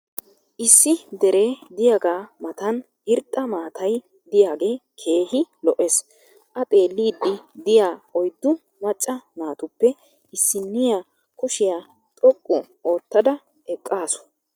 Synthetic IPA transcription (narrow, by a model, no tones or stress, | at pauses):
ʔɪsːɪd̪ɛɾe̞ːd̪ɪjaːɡaːmɐt̪ɐn | ɪɾt̪ʼːɐmaːt̪ɐj | d̪ɪjaːɡe̞ːkʰe̞ːhɪlɔʔes | ʔɐt̪ʼe̞ːlːiːd̪ːɪd̪ɪjaːɔjd̪ːʊ | mɐt͡ʃʼːɐmaːt̪ʊpːɛ | ɪsːɪnːɪja | kʊʃɪjaː | t̪ʼɔkʼːʊ | o̞ːt̪ːɐd̪ɐ | ɛkʼːaːsʊ̥